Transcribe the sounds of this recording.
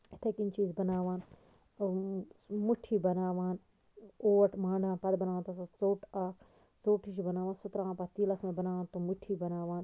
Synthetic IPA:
it̪ʰekint͡ʃiːzbɐnaːʋaːn | muʈʰiːbɐnaːʋaːn | oːɐʈʰmãːɳɖʱaːnpɐd̪bɐnaːʋaːnt̪usut͡soːʈʰa | t͡soːʈʰiʃ̬ibɐnaːʋaːnsut̪ɾaːpɐt̪iːlɐsmẽbɐnaːʋaːnt̪umuʈʰiːbɐnaːʋaːn

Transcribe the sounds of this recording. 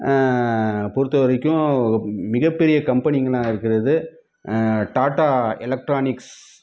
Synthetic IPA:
pɔɾɯt̪ːɐʋɐɾɪkːʊ̃mɪɣɐpːɛɾɪjɐkɐmpɐnɪŋɡɐɭãːɪɾɯkːɪɾɐðɯ | ʈaːʈaːɛlɐk̚ʈɾaːnɪks

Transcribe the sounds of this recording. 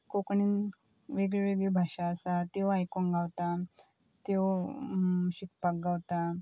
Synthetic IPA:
kokɳin | ʋeɡɭeʋeɡɭebʱaɕaːsat̪ewajkonɡʱawt̪a | t̪e | ɕikpak̚ɡawt̪a

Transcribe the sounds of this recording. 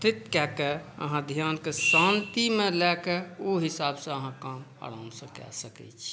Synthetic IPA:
t̪ɾɪt̪kɛkɛə̰ɦãd̪ʱjaːnkesãnt̪imẽlɛkɛoɦɪsaːbsẽəɦãkaːm | ə̰ɽansə̃kɛ̰səkɛ̰t͡ʃʰi̥

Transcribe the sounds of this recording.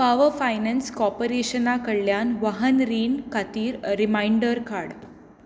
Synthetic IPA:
paʋəfajnənskɔpəɾeɕənakəɽlːjanʋaɦənɾiːnkat̪iːɾːimajɳɖəɾkaɽ

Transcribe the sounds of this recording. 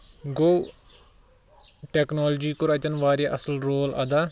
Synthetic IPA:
ɡoː | ʈeknoːld͡ʒiːkoɾɐt͡ʃɐnʋaːɾjaʔɐsəlɾoːlɐ̰d̪aː

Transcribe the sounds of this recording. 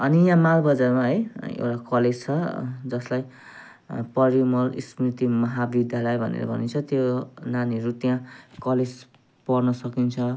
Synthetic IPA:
ʌnijãmaɡbʌd͡zarmaɦʌjḛwʈakʌled͡zt͡sʰʌd͡zʌslaj | pʌɾimʌlḭsmrit̪imʌɦabid̪ʱjalʌjbʱʌnḛɾʌ̰bʱʌ̰nint͡sʰʌt̪jonaniʌɾut̪jãkʌled͡z | pʌrnʌsʌkint͡sʰʌ

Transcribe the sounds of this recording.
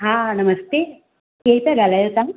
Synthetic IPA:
ɦanɐmɐst̪e | keːlpaɡalajot̪am

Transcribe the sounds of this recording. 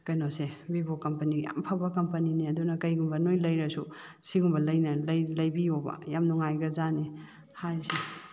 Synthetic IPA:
kɐjnosebibokɐmpɐniɡja̰mpʰabɐkɐmpɐniniɐdunɐkɐjɡumbɐnojlɐjɾɐsu | siɡumbɐlɐjnɐlɐjlɐjbijobɐ̰jamnɔŋajɡɐzani | haɾse

